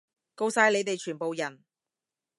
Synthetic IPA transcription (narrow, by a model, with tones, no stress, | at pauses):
ko˧wsaː˧jle˨˧jt̪e˨jt͡ʃʰyː˨˩npo˨wjɐ˨˩n